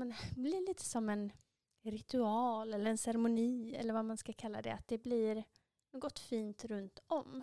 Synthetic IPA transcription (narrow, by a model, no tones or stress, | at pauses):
ɛnblɪɭiːt̪ʰə̥sɔmːɛn | ɾɪt̪ɵɑːlɛlːəɾɛnsɛɾmʊniːɛ̰lːəɾvamanskakʰalːa̰d̪ɛ̰a̰t̪̚d̪ɛblɪɾ | noːɡɔt̪ːfiːnt̪ɾɵnt̪ɔm